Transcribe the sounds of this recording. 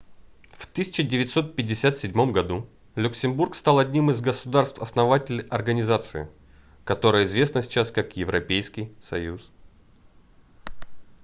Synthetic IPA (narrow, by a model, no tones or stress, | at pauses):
ft̪ɨsʲɪ̥t͡ɕɪdʲɪvʲɪt̪ʲso̞t̪̚pʲɪdʲːɪsʲat̪sʲɪdʲmo̞mɡɐd̪u | lʲʊksʲɪmburkst̪alˠɐdʲnʲimɨzɡəsʊd̪arst̪fɐsnɐvatʲɪlʲʔɐrɡənʲɪzat̪sɨɪ̰ | kɐt̪o̞ɾəjəɪzvʲe̞snəsʲɪ̥t͡ɕaskakjɪvɾɐpʲejskʲɪjsɐjus